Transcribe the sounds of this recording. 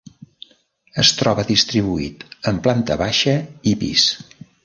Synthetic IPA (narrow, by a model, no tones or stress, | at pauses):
əst̪ɾɔβəðist̪ɾiβ̞uḭt̪əmplant̪ə̰βaʃəipḭs